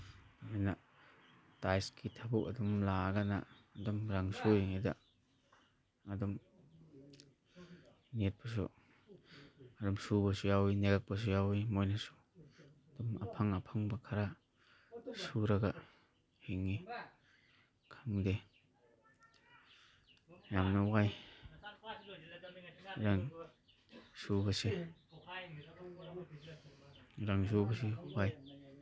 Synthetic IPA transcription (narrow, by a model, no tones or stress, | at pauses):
ajna | tajskitʰabukɐdɔmlaɡanaːdɔmɾaŋsujeŋida̰ | ɐdɔm | net̚pas̬ṵ | ɐdɔmsubasujawineɡak̚pas̬ujawimojnasu̥ | d̥ɔmapʰaŋapʰaŋbakʰaɾa | suɾɐɡa | hiŋːi | kʰaŋde | jamnawaj | ɾaŋ | subɐsi | ɾaŋzubɐs̬iwaj